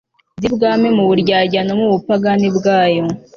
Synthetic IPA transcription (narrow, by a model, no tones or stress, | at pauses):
zibɡaːmemuβuɾɟaːɟanomuβupaɡanibɡaːjo